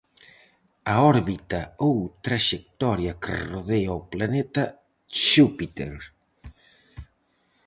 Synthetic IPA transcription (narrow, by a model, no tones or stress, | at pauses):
aɔɾβit̪ɐowt̪ɾaʃek̚t̪ɔɾjɐkḛroðeaoplanɛt̪ɐ | ʃupit̪ḛɾ